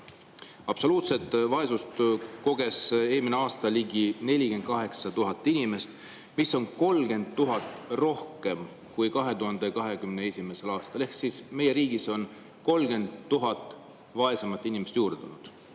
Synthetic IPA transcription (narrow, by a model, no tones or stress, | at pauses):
ɑb̥so̞luːt̪se̞t̪ːˑvɑe̞sust̪ko̞ɡ̥e̞se̞ːmineɑːst̪ɑliɡine̞lʲike̞nd̪̚kɑɦe̞ksɑt̪uɦɑt̪ːˑinʲime̞st̪ | misːo̞nko̞lɡ̥e̞nd̪ːuɦɑt̪ːˑro̞hke̞m | kujkɑɦe̞t̪uɦɑnd̪e̞kɑɦe̞kymneesʲime̞se̞lɑːst̪ɑle̞hksːisme̞jeɾiːɡ̥iso̞n | ko̞lɡe̞nd̪ːuɦɑt̪ːˑ | vɑe̞sɑmɑt̪ːˑinimest̪juːrd̪̥unud̪̥